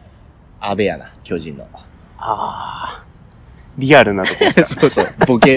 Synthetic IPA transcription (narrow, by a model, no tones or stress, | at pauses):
abeja̰na̰kʲʰo̞ːʑĩnːo̰ | a | ɾʲiaɾɯ̟nat̪oksosoboke